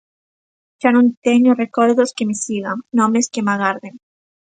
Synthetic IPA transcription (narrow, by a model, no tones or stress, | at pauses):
ʃanõnt̪eɲorekoɾðoskemɪsiɣaŋnõmeskemaɣaɾðeŋ